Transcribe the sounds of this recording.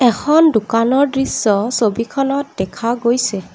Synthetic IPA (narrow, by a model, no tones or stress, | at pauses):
ɛkʰɔndʊkanɔɹdɹisːɔsobikʰɔnɔt̚dɛkʰaɡojsɛ